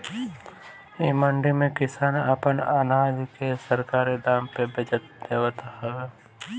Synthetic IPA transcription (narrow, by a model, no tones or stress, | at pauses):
imɐɳɖimẽkɪsaːnɐpənaːnaːd͡ʒkesəɾkaːɾid̪aːmpebed͡ʒət̪̚d̪eːʋt̪ahɛ